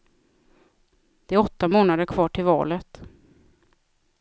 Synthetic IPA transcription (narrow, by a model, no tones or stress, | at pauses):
d̪̥ɛæɾɔt̪ːamoːnad̪əɾkʰvɑːʈʰɪlvɑ̰ːlət̪